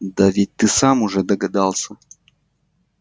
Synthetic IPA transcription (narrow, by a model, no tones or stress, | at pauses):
d̪ɐvʲit̚ʲt̪ɨsamʊʐɛd̪əɡɐd̪alˠsʲə